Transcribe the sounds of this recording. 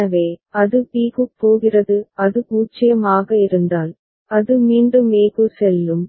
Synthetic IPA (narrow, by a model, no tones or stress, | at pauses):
ɐʋeːɐðɯpiːɣɯp̪ːoːɣɪrɐðɯɐðɯpuːt͡ʃːɪjɐmaːɣɐɪɾɯnd̪aːl | ɐðɯmiːɳɖɯmeːɣɯsɛlːɯm